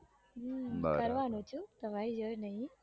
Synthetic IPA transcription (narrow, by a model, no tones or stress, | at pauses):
a̰kəɾʋanũt͡ʃʰut̪əʋaid͡ʒojnəɦĩ